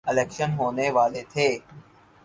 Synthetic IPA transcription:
ɪleːkʃənɦoːneʋaːlet̪ʰeː

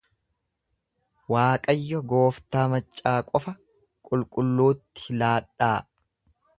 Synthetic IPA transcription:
waːkʼɐjːɔɡo̞ːft̪aːmɐt͡ʃʼːaːkʼɔfɐ | kʼʊlkʼʊlːuːt̪ːɪ̥laːɗːaː

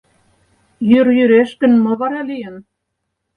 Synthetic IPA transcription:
jøɾjyɾeʃkɘ̆nmŏβɑɾɑlijən

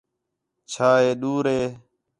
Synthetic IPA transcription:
t͡ʃʰaːɦeːɗuːɾɦeː

